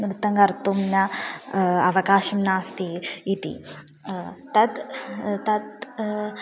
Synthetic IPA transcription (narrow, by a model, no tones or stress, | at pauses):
mɾɨt̪ɐŋɡɐɾt̪umna | ɐʋɐkaːʃɐmnaːst̪iit̪ḭ | t̪ɐt̪t̪ɐt̪